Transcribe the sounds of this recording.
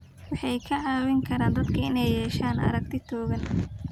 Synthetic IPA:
wɑħɑjkʰɐʕɑːwɪŋkʰɐɾaːnd̪ɐd̪kʰɐɪnɛjːɛːʃaːnɐ̰ɾɐɡ̚t̪ʰɪt̪ʰɔːɣɐn

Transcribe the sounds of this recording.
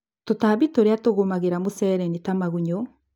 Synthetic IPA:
totaːβitoɾeatoɣomaɣeɾamosɛɾɛnitamaɣuɲo

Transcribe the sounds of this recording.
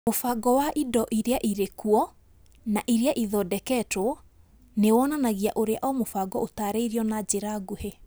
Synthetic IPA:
mofaɡɔwaʔidɔʔiɾeaʔiɾekuɔ | naʔiɾiaʔiðɔdɛkɛto | newɔnanaɣiaʔoɾea̰ʔɔmofaɡɔotaɾeiɾiɔnad͡ʑeɾaɡuhe

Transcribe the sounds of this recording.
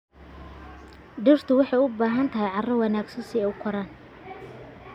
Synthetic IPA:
ɖɪrt̪ʰʊwɑħɑjʊbaːɦɐnt̪ʰɐɦɛjʕɑrɔwɑnaːɡsɐnsɪɛʊkʰɔɾɐn

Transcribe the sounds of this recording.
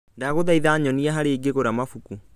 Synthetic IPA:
daːɣoðaiðaːɲɔniaɦaɾeːɡeɣoɾamafuku

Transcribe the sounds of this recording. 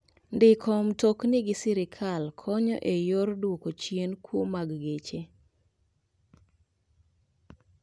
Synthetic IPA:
ndɪkʰɔmtoknɪɡɪsɪɾɪkʰalkʰɔɲɔ̰ʔejordwokot͡ʃjenkwomaɡɡet͡ʃe

